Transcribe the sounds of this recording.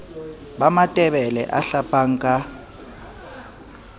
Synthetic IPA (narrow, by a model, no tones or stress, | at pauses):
ɓamatʼɛɓɛlɛ̰ʔaɬapʰʼaːŋ̩kʼa